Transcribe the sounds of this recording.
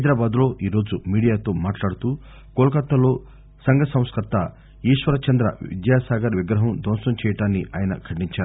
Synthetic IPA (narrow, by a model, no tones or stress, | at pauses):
ɦɐjd̪ɾaːbaːd̪lo̞ːʔiːɾo̞ːd͡ʒumiːɽijaːt̪o̞ːmaːʈlaːɽut̪uː | koːlɐkɐt̪ːɐlo̞ː | sɐŋɡɐsɐ̃w̃skɐt̪ɐ | iːʂʋɐɾɐt͡ʃɐnd̪ɾɐ̰ḭd̪jaːsaːɡɐɾʋiɡɾɐɦɐmd̪ɔːnʂɐmt͡ʃɛːjɐʈaːnːiʔa̰ːjɐnɐ̰kʰɐɳiɲt͡ʃaːɾu